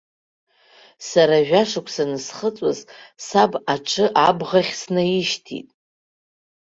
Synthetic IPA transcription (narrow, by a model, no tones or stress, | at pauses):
saɾaʒᶣaʂakʷʰsanɨsχət͡sʷʼa̰zsabaʈ͡ʂʰɨʔabʁaχʲsnajɪʃtʰḭtʼ